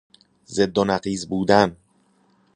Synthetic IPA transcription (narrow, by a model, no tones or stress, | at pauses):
zed̪ːonæɢiːzbuːd̪æn